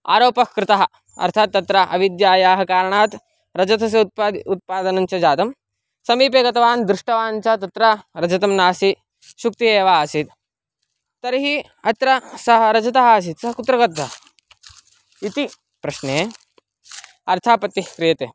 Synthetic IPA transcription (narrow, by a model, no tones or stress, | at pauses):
a̰ːɾoːpɐkkɾɪt̪ɐɦɐ̆ | ɐ̰ɾt̪ʰaːt̪ːɐt̪ɾɐʔɐʋid̪jaːjaːɦɐkaːɾɐɳaːt̪ | ɾɐd͡ʒɐt̪ʰɐs̬ɐpːut̪̚paːd̪ɐnɐnt͡ʃɐd͡ʒaːt̪ɐm | sɐmiːp̬eːɡɐt̪ɐʋaːnd̪ɾɪʂʈɐʋaːnt͡ʃat̪ɐt̪ɾɐɾɐd͡ʒɐt̪ɐmnaːsi | ʃuk̚t̪ieːʋaːsit̪ | t̪ːɐɾɦi | ɐt̪ɾɐsɐɦɐɾɐd͡ʒɐt̪ɐɦɐːs̬it̪sɐɦɐkut̪ɾɐɡɐt̪ɐ | it̪i | pɾɐʃneː | ɐɾt̪ʰapɐt̪ːikɾijɐt̪eː